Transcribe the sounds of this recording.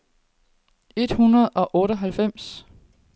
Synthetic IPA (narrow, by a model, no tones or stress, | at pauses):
e̝d̥hunɐð̞̩ˠɒ̽ʔɔ̽ːɾəɦælfem̰s